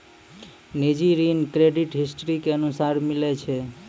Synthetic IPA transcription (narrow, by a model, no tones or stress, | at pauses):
nid͡ʒiɾinkɾeɖiʈɦisʈɾikeənusaɾmilet͡ʃʰe